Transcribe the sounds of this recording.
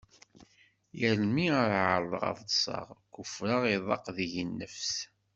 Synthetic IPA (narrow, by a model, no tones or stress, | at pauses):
jəɾmiəɾʕəɾˤðˤəʁɑ̰ðsˤɑ̰ʁkʊfɾəʁiðˤɑqðjənːəfs